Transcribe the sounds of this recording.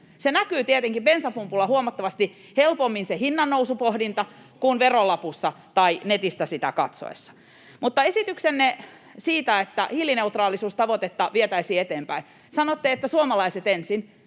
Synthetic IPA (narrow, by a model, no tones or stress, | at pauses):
senækyːt̪iet̪eŋkipensɑpumpulːɑhuomɑt̪ːɑʋɑst̪i | helpomːinsehinːɑnːousupohdint̪ɑ | kunʋerolɑpusːɑ | t̪ɑinet̪ist̪æsit̪æ̰kɑ̰t̪so̰ḛsːɑ̥ | mut̪ːɑesit̪yksenːe | siːt̪æet̪ːæ̰hilːineut̪rɑːlˑisuːst̪ɑʋot̪et̪ːɑʋiet̪æisiːet̪eːmpæi | sɑnot̪ːeːet̪ːæsuomɑlɑiset̪ensin